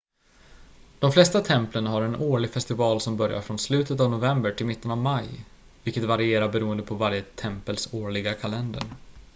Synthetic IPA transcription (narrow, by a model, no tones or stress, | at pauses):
d̪̥ɔmflɛst̪at̪ʰɛmplənɦaɾɛnoːɭɪɡfɛst̪ɪvɑːlsɔmbœɾja̰ɾfɾɔnslʉ̟ːt̪ət̪avnʊvɛmbəʈʰɪlmɪt̪ːənavmaj | vɪlkət̪vaɾɪeːɾabɛɾuːənd̪əpʰɔvaɾjət̪ʰɛmpəlsoːɭɪɡakʰalɛnd̪ə̰ɾ